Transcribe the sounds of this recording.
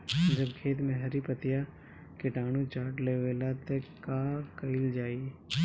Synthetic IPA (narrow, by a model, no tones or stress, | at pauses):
d͡ʒɐbkʰeːt̪mẽɦɐɾipət̪ija | kɪʈaːñũt͡ʃaːɾʈleːʋeːlat̪ekaːkɐɪld͡ʒaːie